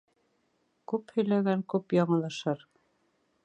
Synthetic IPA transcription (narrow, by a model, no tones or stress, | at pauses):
kʉphɵ̆jlæɡæŋkʉpjɑɴɤ̆lˠɑʃɤɾ